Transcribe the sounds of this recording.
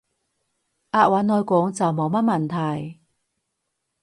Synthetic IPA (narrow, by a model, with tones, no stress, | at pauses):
ʔaː˧t̚waː˨˧˥nːɔː˧jkʷɔː˨˥ŋt͡sɐ˨wmo˨˧wmɐ˥t̚mɐ˨˩nt̪ʰɐ˨˩j